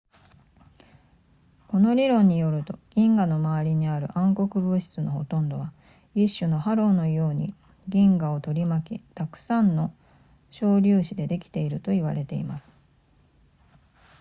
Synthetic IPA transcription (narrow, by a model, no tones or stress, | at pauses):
ko̞no̞ɾʲiɾõ̞ɲ̟ːijo̞ɾɯ̟t̪o̞ɡ̥ʲĩŋɡano̞maβaɾʲiɲ̟iaɾɯ̟̰ʔãŋko̞kɯ̟bɯ̟ɕi̥t͡sɨno̞ho̞t̪õ̞nd̪o̞βa | iɕːɨno̞haɾo̞ːno̞jo̞ːɲ̟i | ɡʲĩŋɡao̞t̪o̞ɾʲimakʲit̪akɯ̟̥sãnːo̞ | ɕo̞ːɾʲɨːɕid̪e̞d̪e̞kʲi̥t̪e̞iɾɯ̟t̪o̞iβaɾe̞t̪e̞imasɨ̥